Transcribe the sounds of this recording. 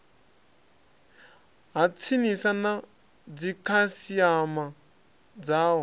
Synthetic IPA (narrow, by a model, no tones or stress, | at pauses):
ɦat͡sʰinisana | d͡zikʰasiama | d͡zaːwɔ